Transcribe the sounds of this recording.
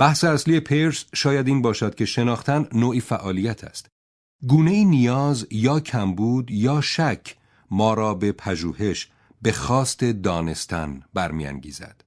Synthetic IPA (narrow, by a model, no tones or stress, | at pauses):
b̥æhseæsliːe̞pʰeɾsʃɒːjæd̪iːnbɒːʃæd̪̥̚cʰʲe̞ʃe̞nɒːxt̪ʰænnoːʔiːfæʔɒːlijæt̪ʰæ̰st̪ | ɡuːne̞iːnijɒːzjɒːcʰæmbuːd̪jɒːʃæcʰ | mɒːɾɒːbe̞pʰæʒuːhe̞ʃ | be̞xɒːst̪e̞d̪ɒːne̞st̪ʰæ̰nbæɾmijæ̰ŋɟḭːzæ̰d̪̥